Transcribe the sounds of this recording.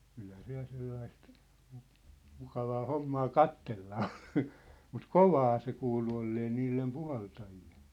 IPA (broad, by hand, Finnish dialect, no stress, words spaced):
kylhæ se jɑ selːɑist mŭ mukɑʋɑː homːɑː kɑtːelːɑ on mut koʋɑː se kuːlu olːeː niːlːem puhɑltɑjill̥e̥